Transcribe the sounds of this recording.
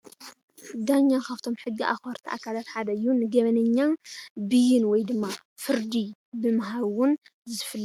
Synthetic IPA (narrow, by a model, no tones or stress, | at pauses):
d̪aɲːakʰaβt̪ʰo̞mħɨɡːiʔa̰xɐɾt̪ʰiʔa̰kʰalat̪ħad̪ɐɨjːunɨɡɐβɐnɐɲːanbɨjɪnwɔjd̪ɨmːa | fɨɾd̪ibɨmaɦaβwʊnzɨfɨlː